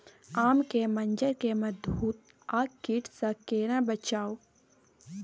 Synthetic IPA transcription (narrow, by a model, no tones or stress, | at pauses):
aːmkemɐnd͡ʒəɾkemɐd̪buːt̪̚ | aːkkːiʈsɐkeːɾãbɐt͡ʃaːo